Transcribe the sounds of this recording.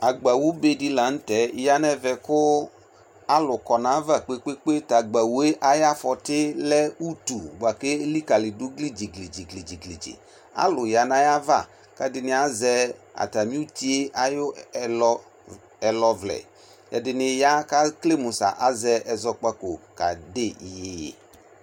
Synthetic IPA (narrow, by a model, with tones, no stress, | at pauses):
a˨ɡ͡ba˨wu˦be˦di˦la˨n̩˦tɛ˨˦˨ja˦nɛ˦vɛ˨kʊ˦ | a˦lʊ˨kɔ˨nã˨˦va˦˨k͡pe˦k͡pe˦k͡pe˦ta˨ɡ͡ba˨wu˦e˦ʔa˦ja˦fɔ˨tɪ˦lɛ˦u˦tu˨ba˨ke˦li˦ka˨lɪ˨dʊ˦ɡli˦d͡ʒi˨ɡli˨d͡ʒi˨ɡli˨d͡ʒi˨ɡli˨d͡ʒḭ˨ | a̰˦lʊ˨ja˨nã˦ja˦va̰˦˨ | ka˦dɪ˨nɪ˨a˦zɛ˦a̰˨ta˨mĩ˦u˦t̪i˦e˦ʔa˦jʊ˦lɔ˦ | ɛ˨lɔ˨vlɛ̰˨ | ɛ̰˨dɪ˨nɪ˨ja˦ka˦kle˦mu˨sa̰˨ʔa˦zɛ˦ɛ˨zɔ˦k͡pa˦ko˨ka̰˨de˦˨ji˨jḛ˨